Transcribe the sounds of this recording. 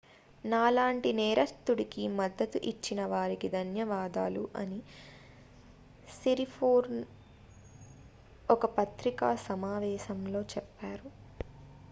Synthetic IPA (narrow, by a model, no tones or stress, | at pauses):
naːlaːɳʈinɛːɾɐst̪ːuɽikimɐd̪ːɐt̪uʔit͡ʃːinɐʋaːɾikid̪ʱɐnjɐʋaːd̪aːluʔɐ̰ni | seɾipʰoːɾn | ɔkɐpɐt̪ɾikaːsɐmaːʋɛːʃɐmlo̞ːt͡ʃɛpːaːɾu